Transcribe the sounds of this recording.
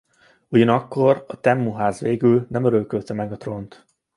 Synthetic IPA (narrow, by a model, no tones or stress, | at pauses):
uɟɒnɒkːo̞rɒt̪ɛmːuɦaːzʋeːɡylnɛmøɾølkølt̪ɛmɛɡɒt̪ro̞nt̪